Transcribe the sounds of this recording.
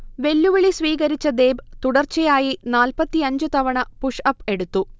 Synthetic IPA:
ʋe̞lːuʋɐɭisʋiːɣɐɾit͡ɕːɐd̪e̞ːbt̪uɽɐrt͡ɕejaːjinaːlpɐt̪ːiɐɲd͡ʑut̪ɐʋɐɳɐpuʂɐpːe̞ɽut̪ːu

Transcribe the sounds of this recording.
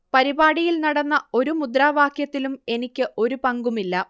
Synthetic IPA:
pɐɾibaːɽijilnɐɽɐnːɐo̞ɾumud̪raːʋaːkjɐt̪ːilume̞nikʲːɨʔo̞ɾupɐŋɡumilːɐ

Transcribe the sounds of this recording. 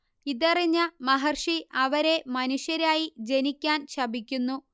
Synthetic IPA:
iðɐriɲːɐmɐɦɐrʂiɐʋɐɾe̞mɐnuʂjɐɾaːjid͡ʑe̞nikʲːaːnɕɐbikʲːunːu

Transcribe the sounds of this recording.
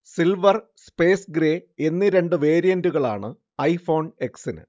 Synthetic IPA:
silʋɐrspe̞ːsɡɾeːenːiɾe̞ɳɖɨʋe̞ːɾijɐnduɣɐɭa̰ːɳɨ | ɐjfo̞ːɳe̞ksinɨ̰

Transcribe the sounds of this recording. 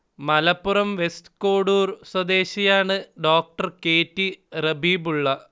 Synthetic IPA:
mɐlɐpːurɐmʋestko̞ːɽuːrswɐd̪e̞ːɕijaːɳɨɖoːk̚ʈɐrke̞ːtːirɐbʱiːbuɭːɐ

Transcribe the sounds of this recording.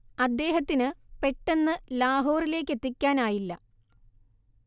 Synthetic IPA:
ɐd̪ːe̞ːɦɐt̪ːinɨpe̞ʈːe̞nːɨlaːɦo̞ːrile̞ːk̬ːe̞t̪ːikʲːaːnaːjilːɐ

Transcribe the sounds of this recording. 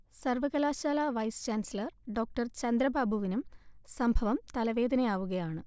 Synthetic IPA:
sɐrʋɐɣɐlaːɕaːlaːʋɐjst͡ɕaːnsɐlɐrɖo̞ːk̚ʈɐrt͡ɕɐnd̪ɾɐbʱaːbʱuʋinumsɐmbʱɐʋɐmt̪ɐlɐʋe̞ːd̪ʱɐnɐjaːʋuɣɐjaːɳɨ

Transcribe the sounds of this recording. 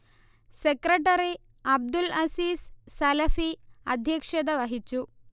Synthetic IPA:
sekɾeʈɐɾi | ɐb̚d̪ulɐsiːssɐlɐfiɐd̪ʱjɐkʂɐd̪ɐʋɐɦit͡ɕu

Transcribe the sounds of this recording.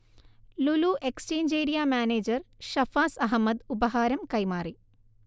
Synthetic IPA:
luluʔekst͡ɕeːɲd͡ʒeːɾijaːmaːneːd͡ʑɐrʃɐfaːsɐɦɐmːɐd̪ubɐɦaːɾɐmkɐjmaːri

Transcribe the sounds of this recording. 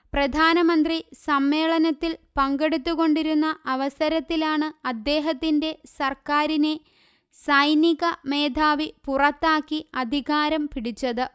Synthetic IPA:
prɐd̪ʱaːnɐmɐnd̪risɐmːe̞ːɭɐnɐt̪ːilpɐŋɡe̞ɽut̪ːuɣo̞ɳɖiɾunːɐʔɐʋɐsɐɾɐt̪ːilaːɳɨɐd̪ːe̞ːɦɐt̪ːinde̞sɐrkaːɾine̞ | sɐjniɣɐme̞ːd̪ʱaːʋipurɐt̪ːaːkːiɐd̪ʱiɣaːɾɐmpiɽit͡ɕːɐðɨ

